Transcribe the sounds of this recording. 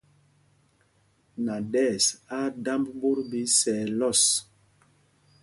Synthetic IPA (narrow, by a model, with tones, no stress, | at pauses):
na˨dɛ˦˨sa˦da˦mbbo˦ɾbi˦sɛː˨lɔ˦˨s